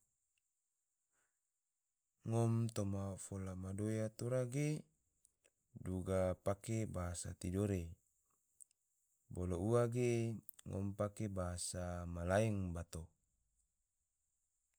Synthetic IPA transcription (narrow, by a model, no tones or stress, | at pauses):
ŋɔmt̪omafolamadojat̪oɾaɡe | duɡapakebaɦasa̰t̪idoɾe | bolouaɡeŋʔɔ̰mpakebaɦasamalaiŋbat̪o